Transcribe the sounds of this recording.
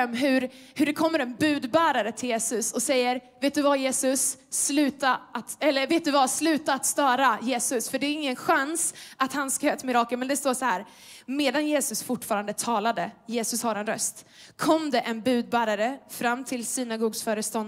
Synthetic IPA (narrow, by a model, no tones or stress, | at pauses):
mːɦɵɾhɵɖɛkʰɔmːəɾɛnbʉ̟ːd̪bæːɾaɾət̪ʰɪljeːsɵsɔsɛjːəɾveːt̪d̪ɵvajeːsɵsːlʉ̟ːt̪aʔat̪ɛlːəɾveːt̪̚d̪ɵvaslʉ̟ːt̪aːt̪st̪œːɾajeːsɵsfœɖɛːɾɪŋːənɧansat̪hanskahøːt̪mɪɾɑːkəlmɛnd̪ɛst̪oːʂɔhæːɾ | meːd̪anjeːsɵsfʊʈːfɑːɾand̪ət̪ʰɑːlad̪əjeːsɵshaɾɛnɾœst̪kʰɔmd̪ɛʔɛnbʉ̟ːd̪̚bæːɾaɾəfɾamːt̪ʰɪlsiːnaɡuːɡsfœːɾəst̪ɔn